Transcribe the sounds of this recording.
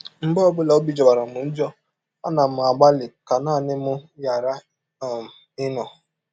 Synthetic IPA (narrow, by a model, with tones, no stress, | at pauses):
m̩˨bɔ˦ɔ˦bʊ˦la˨o˦bi˦d͡ʒɔ˨ba˨ɾa˨mʊ˨n̩˦d͡ʒɔ˦ | a̰˦na˨m̩˨a˨ɡ͡ba˦lɪ˨ka˨naː˦˨nɪ˦mʊ˦ja˨ɾa˦˨ | ɪ˦nɔ˨